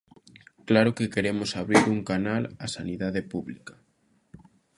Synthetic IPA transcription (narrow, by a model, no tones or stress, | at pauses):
klaɾokekeɾemosaβ̞ɾiɾuŋkanalasaniðaðepuβlikḁ